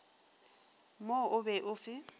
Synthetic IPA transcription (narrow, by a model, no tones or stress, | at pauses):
moʔʊbɛʔʊfɪ